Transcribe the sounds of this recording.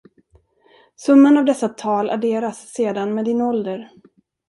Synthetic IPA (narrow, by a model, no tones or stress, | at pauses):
sɵmːənavd̪ɛsːat̪ʰɑːlʔa̰ɖeːɾasːeːd̪anmeːd̪ɪnɔld̪əɾ